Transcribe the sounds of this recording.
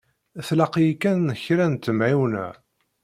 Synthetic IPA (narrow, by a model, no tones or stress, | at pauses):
θlɑqjkːænːəçɾænt̪ːəmʕiwnæ̰